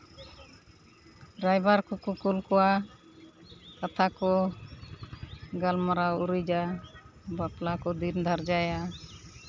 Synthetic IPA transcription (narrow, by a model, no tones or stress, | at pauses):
ɾajbaɾkukukulkɔwa | kat̪ʰakɔ | ɡalmaɾauɾud͡ʒa | baplakɔd̪ind̪ʱaɾd͡ʒaja